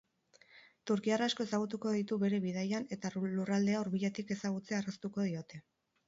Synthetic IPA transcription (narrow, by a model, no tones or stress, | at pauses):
t̪uɾkiaraːsko̞e̞saɣ̞ut̪uko̞ðit̪uβe̞ɾe̞βið̞ajane̞t̪alurald̪e̞aoɾβiʎat̪ike̞saɣ̞ut͡searast̪uko̞ðio̞t̪e̞